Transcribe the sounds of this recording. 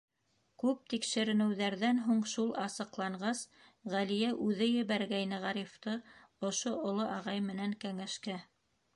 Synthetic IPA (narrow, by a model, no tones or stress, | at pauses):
kʉp̚t̪ikʃɘ̆ɾɘ̆nɘ̆wðæɾðænɦuɴʃulˠɑsɤ̆qlˠɑɴɢɑs | ʁælijæʔʉðɘjɘ̆βæɾɡæjnɘʁɑɾift̪ɤ | ŏʃoʔŏlˠoʔɑʁɑjmɘ̆næŋkæŋæʃkæ